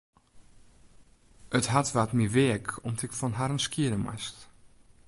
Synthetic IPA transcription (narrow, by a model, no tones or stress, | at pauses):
ətɦatʋatmiveəkʰɔmdɪkfɔnɦaɾənskiədəma̰st